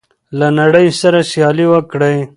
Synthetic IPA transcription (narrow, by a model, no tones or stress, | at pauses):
lanaɽəjsaɾasjɑliwəkɽej